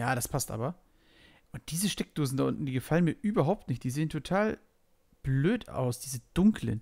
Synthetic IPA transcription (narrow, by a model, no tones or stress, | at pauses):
jaːɾaspʰastʔa̰ːbɐ | ʔʊnt̚d̥iːzəʃtɛk̚d̥oːzn̩daʔʊntn̩d̥iːɡəfalənmiːɐʔyːbɐɦaʊp̚tnɪçtd̥iːzeːəntʰotʰaːl | b̥løːta̰ʊsd̥iːzəd̥ʊŋklə̰n